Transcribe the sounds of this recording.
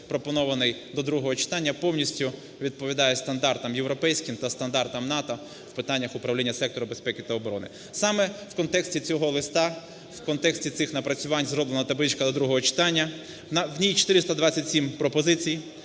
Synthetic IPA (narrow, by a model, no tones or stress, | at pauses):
pɾɔpɔnɔʋɐnɪjd̪ɔd̪ɾuɦɔɦɔt͡ʃɪ̥t̪ɑnʲːɐpɔwnʲisʲtʲʊ | ʋʲid̪̚pɔʋʲid̪ɑjɛst̪ɐnd̪ɑrt̪ɐmjewɾɔpɛjsʲkɪmt̪ɐst̪ɐnd̪ɑrt̪ɐmnɑt̪ɔ | w̥pɪt̪ɑnʲːɐxʊpɾɐwlʲinʲːɐsɛkt̪ɔɾʊbesʲpɛkʲɪt̪ɐɔbɔɾɔ̰nɪ̰ | sɑmɛwkɔnt̪ɛksʲtʲit͡sʲɔɦɔlˠɪst̪ɑ | wkɔnt̪ɛksʲtʲit̪sɪxnɐpɾɐt͡sʲʊʋɑnʲzɾɔblˠenɐt̪ɐblˠɪt͡ʃkɐd̪ɔd̪ɾuɦɔɦɔt͡ʃɪ̥t̪ɑnʲːɐ | nwnʲijt͡ʃɔ̥t̪ɪɾɪst̪ɐd̪ʋɑt͡sʲːɐtʲsʲimpɾɔpɔzɪt͡sʲij